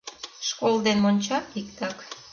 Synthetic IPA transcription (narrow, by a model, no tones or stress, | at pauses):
ʃkolˠd̪enmonʲt͡ɕɑtikt̪ɑk